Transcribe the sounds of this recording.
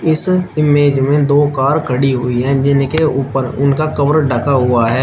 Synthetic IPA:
ɪsɪmeːd͡ʒmẽd̪oːkaːɾkʰəɽiɦʊiɦɛ̃ːd͡ʒɪnkeuːpəɾʊ̰nkakɐbəɾɖʱəkʰaɦʊaɦɛː

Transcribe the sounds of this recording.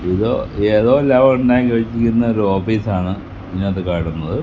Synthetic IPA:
iðoːeːðo̞ːelːaːʋɐuɳɖaːjkɐʋit͡ɕːikʲːunːɐoɾuoːpiːsaːɳɨ | pinːeɐt̪ːɨkaːʈunːɐðɨ

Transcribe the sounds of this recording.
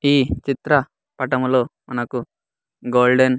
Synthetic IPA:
iːt͡ʃit̪ɾɐ | pɐʈɐmlo̞ːmɐnɐku | ɡoːlɖen

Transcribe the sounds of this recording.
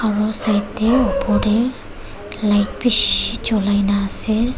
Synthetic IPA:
aɹɔsajtːeɔpʰɔdɛ | lajpiʃid͡ʒɔlajnasɛ

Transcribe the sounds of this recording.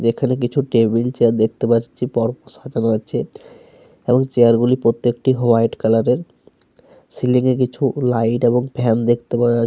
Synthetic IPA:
d͡ʑekʰanek̬it͡ɕʰuʈebilt͡ɕeaɾd̪ek̚ʰt̪epaat͡ɕʰipɔɾposad͡ʑanoat͡ɕʰe | eboŋt͡ɕeaɾɡulipɾot̪ːekʈiɦoajʈkɛlaɾeɾ | siliŋek̬it͡ɕʰulajʈeboŋpɛnd̪ekʰt̪epa

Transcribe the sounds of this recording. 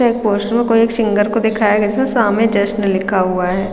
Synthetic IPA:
eeːk̚poːsʈəɾmẽkoːieːkʃɪ̃ŋɡəɾkod̪ɪkʰaːjaɡɪsmẽsaːmẽd͡ʒəʃʈnəlɪkʰːaɦʊaɦɛː

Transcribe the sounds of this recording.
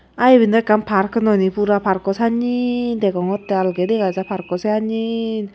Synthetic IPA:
aibind̪ekampʰaɾkɯnɔnipuɾapaɾkɔsaɲint̪ekɔŋɔt̪ːɛalɡedikazapaɾkɔsʰeaɲin

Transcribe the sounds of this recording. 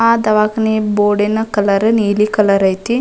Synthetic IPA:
aːd̪ɐʋaːkɐniboːɖenɐkɐlɐɾɨniːlikɐlɐɾɐjt̪i

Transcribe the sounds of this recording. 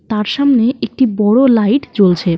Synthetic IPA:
t̪aɾʃamneek̚ʈibɔɽolajʈt͡ɕolt͡ɕʰe

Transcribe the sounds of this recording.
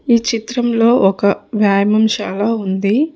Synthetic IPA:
iːt͡ʃit̪ɾɐmlo̞ːʔɔkɐʋjaːjmɐmʃaːlaːund̪i

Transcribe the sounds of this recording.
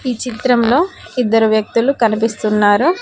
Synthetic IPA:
iːt͡ʃit̪ɾɐmlo̞ː | id̪ːɐɾuʋjɐk̚t̪ulukɐnipist̪unːaːɾu

